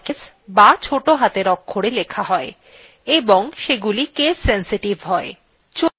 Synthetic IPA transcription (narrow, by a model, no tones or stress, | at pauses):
kes | bat͡ɕʰoʈoɦat̪eɾɔkʰːoɽelekʰaɦɔe | eboŋʃeɡulikessensiʈibʱɦɔe | t͡ɕo